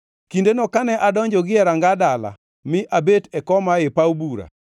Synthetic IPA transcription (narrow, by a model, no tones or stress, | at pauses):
kindenɔkanɛʔadɔɲd͡ʒɔɡɪɛɾaŋɡadala̰ | mɪʔabetɛkɔmaɪpaubuɾa̰